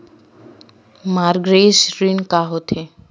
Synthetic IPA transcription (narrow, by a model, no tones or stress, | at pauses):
maɾɡɾesɾinkaɦot̪ʰe